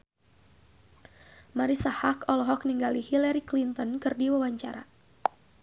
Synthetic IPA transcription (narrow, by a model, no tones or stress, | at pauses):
maɾisahakɔlɔɦɔk̚niŋɡalihilaɾiklint̪ɔnkɨrdiwawaɲt͡ʃa̰ɾa̰